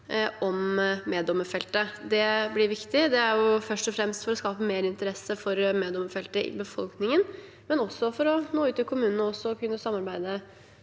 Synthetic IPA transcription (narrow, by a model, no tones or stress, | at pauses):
ɔmmeːd̪ɔmːəfɛlt̪əd̪ɛblɪɾʋɪkt̪ɪd̪ɛæɾjʊfœʂʈɔfɾɛmst̪fɔɾɔskɑːpəmeːɾəɪnt̪əɾɛsːəfɔɾmeːd̪ɔmːəfɛlt̪əʔɪ̰bəfɔlknɪŋən | mɛnɔsːɔfɔɾɔnoːʉːt̪ːɪlkʰʊmʉːnən̩əɔsːɔɔkʰʉnːəsɑmːɑɾbæɪd̪ə